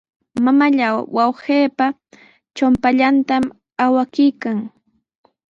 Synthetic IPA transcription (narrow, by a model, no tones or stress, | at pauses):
mamaʎawwawheːpa | t͡ʃʊmpaʎant̪am | awakɪjkaŋ